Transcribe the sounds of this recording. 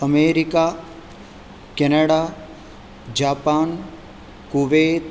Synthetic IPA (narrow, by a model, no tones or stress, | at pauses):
əmeːɾika | kɛnɐɽa | d͡ʒaːpaːn | kuʋeːt̪